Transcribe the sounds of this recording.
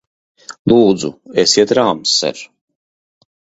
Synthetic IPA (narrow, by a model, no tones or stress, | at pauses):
lˠuːd̪zuesiɛt̪ɾaːmsːɛ̰ɾ